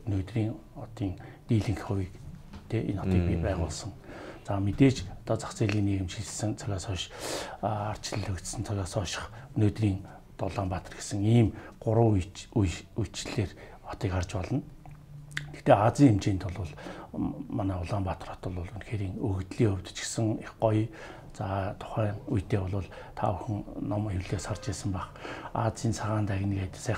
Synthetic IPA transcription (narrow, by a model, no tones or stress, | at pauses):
noːt̪riːŋ | ɔt̪iːŋt̪iːɮĭŋxχʊwʲiːkt̪ʰeːenɔt̪iːk̚pʲipæːʁʊːɮsɞ̆ŋt͡saːmet̪eːt͡ɕɔt̪ɔːt͡sḁkt͡seːɮiːkneːɣɘ̆mʃiɮsɘ̆ŋt͡sʰœɣʲaːsɔː | ar̥t͡ɕɪ̆ɮɵkt̪sɘ̆nt͡sʰœɣʲaːsɔːʃɪ̥̆χnoːt̪riːŋ | t̪ɔɮaːmpat̪ə̆rɡesə̆ŋiːmɢʊɾə̆wujujt͡ɕɮeːr | ɔ̥t̪iːkart͡ɕpɔɮɞ̆n | t̪ʰe̥xt̪eːat͡siːŋemt͡ɕeːnt̪ʰʊɮʊːɮ | manaːʊɮaːmpat̪ə̆rɔt̪ʊ̆ɮʊːɮunxeːɾiːŋɵɣt̪ɮiːɵwʲt̪ɵ̥̆t͡ɕɪ̥̆sə̆ŋɪχɢɔj | t͡saːt̪ʰʊ̥χæːŋujt̪eːɔɮʊːɮ | t̪ʰa̰əxɵ̆ŋnɔmjuɮeːsart͡ɕeːsə̆mpaχa̰t͡siːnsʰaʁaːnt̪æɣʲniket̪sa